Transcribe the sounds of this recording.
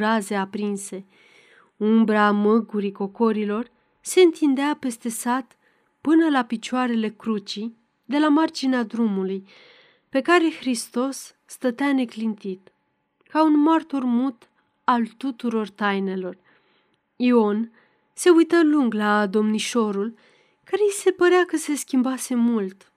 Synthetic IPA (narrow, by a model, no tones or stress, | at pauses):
ɾaze̞apɾinse̞ | umbɾamɨɡuɾiko̞ko̞ɾilo̞r | se̞ɨnt̪ind̪eape̞st̪e̞sat̪ | pɨnəlapit͡ʃoaɾe̞le̞kɾut͡ʃi | d̪e̞lamart͡ʃinead̪ɾumuluj | pe̞kaɾe̞xɾist̪o̞sː | t̪ət̪eane̞klint̪it̪ | kaunmart̪urmut̪ | alt̪ut̪uɾo̞rt̪ajne̞lo̞r | io̞n | se̞ujt̪əluŋɡlaːd̪o̞mniʃo̞ɾul | kaɾese̞pəɾeakəse̞skʲimbase̞mult̪